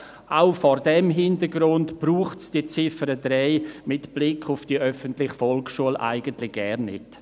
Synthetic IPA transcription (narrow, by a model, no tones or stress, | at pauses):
ʔaʊfɔɾdɛmɦɪndəɾɡɾʊntb̥ruːχtsd̥iːt͡sɪfəɾədɾɛɪmɪtb̥lɪkʰʊfd̥iʔœfəntlɪχfɔlksʃuəlʔa̰ɪɡ̥əntlɪɡ̥ɛɾnːɪ̰t